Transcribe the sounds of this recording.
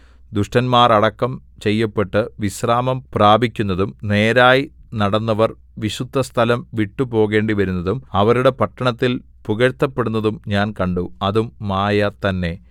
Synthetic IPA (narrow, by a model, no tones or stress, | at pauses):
d̪uʂʈɐnmaːrɐɽɐkːɐmt͡ɕe̞jːɐpːe̞ʈːɨʋisraːmɐmpraːbʱikʲːunːɐðumne̞ːɾaːjinɐɽɐnːɐʋɐr | ʋiɕud̪ʱːɐst̪ʰɐlɐmʋiʈːupo̞ːɣe̞ːɳɖiʋɐɾunːɐðumɐʋɐɾuɽe̞pɐʈːɐɳɐt̪ːil | puɣɐɾt̪ːɐpːe̞ɽunːɐðumɲaːnkɐɳɖuɐðumːaːjɐt̪ɐnːe̞